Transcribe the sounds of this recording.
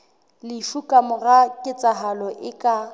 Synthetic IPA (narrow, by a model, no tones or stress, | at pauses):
lɪfukʼamʊɣakʼɪt͡sʼaɦalɔʔɪkʼa